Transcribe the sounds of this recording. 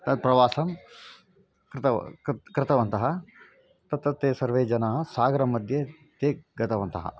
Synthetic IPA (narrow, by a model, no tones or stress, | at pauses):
t̪ɐd̪̚pɾɐʋaːsɐm | kɾt̪ɐkɾɪt̪ɐʋɐnt̪ɐɦɐ | t̪ɐt̪ɾɐt̪ːeːsɐɾʋeːd͡ʒɐnaːɦɐ̆saːɡɐɾɐmɐd̪ʱjɐ | t̪eːɡɐt̪ɐʋɐnt̪ɐɦɐ̰